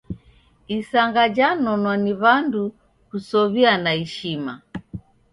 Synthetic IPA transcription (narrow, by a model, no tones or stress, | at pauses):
isaŋɡad͡ʒanɔnwaniβandu | kusɔβianaiʃima